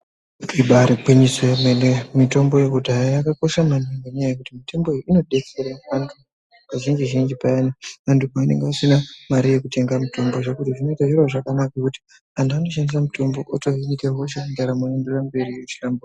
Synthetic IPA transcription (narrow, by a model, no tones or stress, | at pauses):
kiɓaɾiɡʱiniswemenemito̞mbojekudʱajajakako̞ʃamaniŋɡoɲajajekutimitombo̞ioino̞ɗe̞t͡seɾaʋantʰu | kaʒind͡ʒiʒind͡ʒipajanaʋantukaine̞̰ŋɡeasinamaɾije̞kute̞ŋɡamito̞mbo̞ʐekutiʐino̞itaʐirwoʐakanakakuti̥ | antuano̞ʃandis̬amito̞mbo̞ʔotoɦinikeɦoʃaindaɾamuenderambe̞ɾiet͡ʃilambu